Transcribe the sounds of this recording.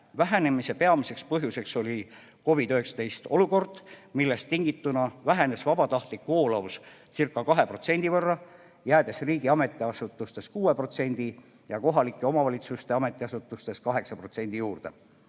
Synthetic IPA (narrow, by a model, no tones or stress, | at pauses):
væɦene̞mise̞pe̞ɑmise̞kspɤɦjuse̞kso̞lʲi | ko̞vid̪yhe̞ksɑ̥t̪e̞jst̪o̞luko̞rd̪̥milːe̞st̪ːiŋɡ̥it̪ːunɑvæɦene̞svɑb̥ɑt̪ɑht̪likːoːlɑussirkˑːɑkɑɦe̞pro̞t̪se̞nʲd̪̥ivɤrːɑ | jæːd̪̥e̞sriːɡiɑme̞t̪ːˑiɑsut̪ːˑust̪e̞skuːe̞pro̞t̪se̞nʲd̪̥i | jɑko̞ɦɑlikˑːeo̞mɑvɑlʲit̪sust̪e̞ɑme̞t̪ːˑiɑsut̪ːˑust̪e̞skɑɦe̞ksɑpro̞t̪se̞nʲd̪̥ijuːrd̪e̞